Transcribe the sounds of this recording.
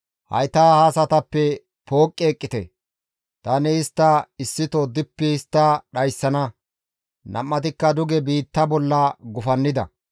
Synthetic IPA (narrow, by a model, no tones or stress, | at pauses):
hɐ̰jt̪aːhaːsɐt̪ɐpːɛ | po̞ːkʼːeːkʼːɪt̪ɛ | t̪ɐːnɪɪst̪ːɐɪsːɪt̪od̪ɪpːɛɪst̪ːɐɗɐjsːɐnɐ | nɐ̰mːɐt̪ɪkːɐd̪ʊɡɛbiːt̪ːɐbɔlːɐɡʊfɐnːɪd̪ɐ̰